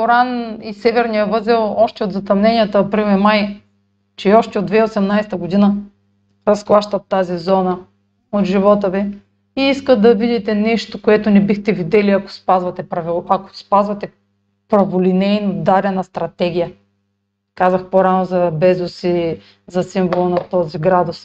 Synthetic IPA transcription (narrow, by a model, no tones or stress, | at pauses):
poɾanisɛvɛɾnijəvɤzɛlˠɔʃt̪ɛod̪zɐt̪ɐmnɛnijɐt̪ɐɐpɾilmɛmaj | t͡ʃɛɔʃt̪ɛod̪vɛiosɛmnajst̪əɡod̪inə | ɾɐsxlˠaʃt̪ɐt̪ːazizɔnə | ot̪ʒivɔt̪əvɛ | iiskət̪d̪ɐvid̪it̪ɛnɛʃt̪okoɛt̪onɛbixt̪ɛvid̪ɛliɐko̥spazvɐt̪ɛpɾɐvilˠɐko̥spazvɐt̪ɛ | pɾɐvolinɛjnod̪aɾɐnɐst̪ɾɐt̪ɛɡʲijə | kazɐxpoɾanozɐbɛzosi | zɐsiɱvolˠɐnɐt̪ɔziɡɾad̪ʊs